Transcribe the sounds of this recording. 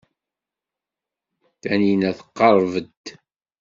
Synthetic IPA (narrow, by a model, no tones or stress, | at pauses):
θæninæθə̥qːɑɾˤvəd̪